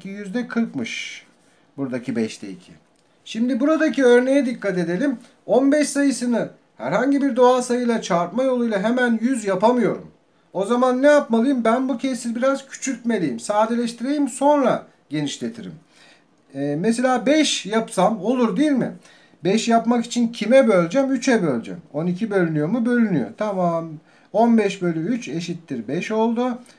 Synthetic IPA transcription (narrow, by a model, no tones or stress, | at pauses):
ijyzd̪ɛkʰɯɾkmɯʃ | buɾd̪acʰibɛʃt̪ʰḛḭcʰḭ | ʃimd̪ibuɾad̪aciø̞ɾne̞jɛd̪ikːat̪e̞d̪e̞lʲim | onbɛʃsajɯsɯnɯ | hæ̰ɾhaɲɟibiɾd̪o̞aːsajɯlˠat͡ʃʰaɾt̪majo̞lˠujlˠaɦemænjyzjapamɯjo̞ɾṵm | o̞zamanːɛjapmalˠɯjɯmbænbucʰesilʲbiɾaz̥cʰy̥t͡ʃʰytme̞lʲijimsaːd̪e̞lʲɛʃt̪ʰiɾejʲimso̞nɾa | ɟe̞niʃlʲe̞t̪ʰiɾḭm | ɛːese̞lʲaːbɛʃjapsamo̞lˠuɾd̪ijilʲmɪ̰ | bɛʃjapmaki̥t͡ʃʰincʰimɛbø̞lʲd͡ʒɛmyt͡ʃʰɛbølʲd͡ʒɛ̰mo̞nicʰibølʲynyjo̞mubø̞lʲynyjo̞̰t̪ʰamam | onbɛʃbøjlʲɛyt͡ʃʰe̞ʃit̪ːiɾbɛʃo̞lˠd̪u